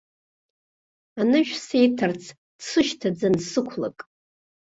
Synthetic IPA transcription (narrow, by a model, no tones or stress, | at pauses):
anɨʒᶣsejtʰart͡sʰ | d̥sɨʃtʰad͡zansɨkʷʰla̰kʼ